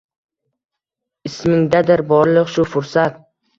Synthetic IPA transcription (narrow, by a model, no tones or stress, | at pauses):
ɪsmɪŋd̪ad̪ɪɾbɒɾlˠɨqʃʊfʊɾsat̪̚